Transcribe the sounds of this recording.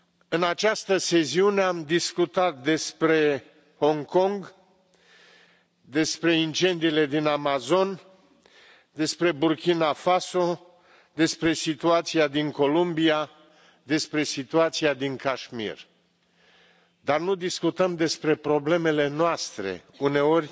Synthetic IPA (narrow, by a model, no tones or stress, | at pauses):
ɨnat͡ʃast̪əse̞siune̞amd̪iskut̪at̪̚d̪e̞spɾe̞ | ho̞ŋko̞ŋɡ | d̪e̞spɾe̞int͡ʃe̞nd̪iːle̞d̪inamazo̞n | d̪e̞spɾe̞burkʲinafaso̞ | d̪e̞spɾe̞sit̪uat̪siad̪iŋko̞lumbia | d̪e̞spɾe̞sit̪uat̪siad̪iŋkaʃmḭr | d̪arnud̪iskut̪əmd̪e̞spɾe̞pɾo̞ble̞me̞le̞noast̪ɾe̞̰ | une̞o̞rʲ